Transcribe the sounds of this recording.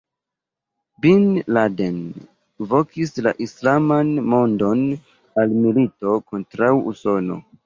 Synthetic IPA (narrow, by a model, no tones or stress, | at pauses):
binladen | vo̞kisla̰ʔislamanmo̞ndo̞n | almilito̞ko̞ntɾawṵso̞no̞̰